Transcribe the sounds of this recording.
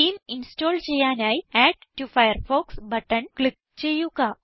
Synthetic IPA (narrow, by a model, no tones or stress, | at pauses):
ʈiːminsʈɔlt͡ɕejanjajiɛɖʈufajəɾfɔksbəʈənklik̚ | t͡ɕejuka